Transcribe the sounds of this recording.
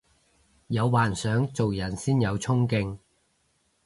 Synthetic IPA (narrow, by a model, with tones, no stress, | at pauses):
jɐ˨˧wwaː˨nsœː˨˥ŋt͡so˨wjɐ˨˩nsiː˥njɐ˨˧wt͡sʰʊ˥ŋkɪ˧ŋ